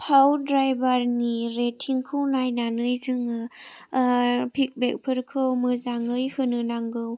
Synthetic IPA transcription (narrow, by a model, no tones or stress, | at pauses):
pʰawdɾajbaɾniɾetʰːiŋkʰɯwnajnanɯjzɯŋ | pʰik̚bek̚pʰɯɾkʰɯwmɯzaŋɯjhɯnɯnaŋɡɯw